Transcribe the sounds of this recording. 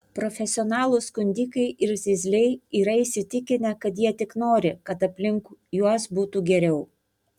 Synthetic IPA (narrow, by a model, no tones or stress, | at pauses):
pɾɔfʲɛsʲɪɔnɑːlˠuskʊnʲd̪ʲiːkɐɪʔɪɾzʲɪzʲlʲɛɪiːɾɐisʲɪt̪ʲɪkʲɪnʲɛkɐt̪jiɛt̪ʲɪknoːɾʲɪkɐt̪ɐpʲlʲɪŋkujuɔsbuːt̪uɡʲɛɾʲɛʊ